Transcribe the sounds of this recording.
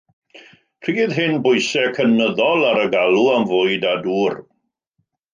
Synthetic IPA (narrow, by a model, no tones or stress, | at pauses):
priɪðɦɪnbʊjsɛkʰənəðɔlˠaɾəɡalˠuamvoːɨdaduːr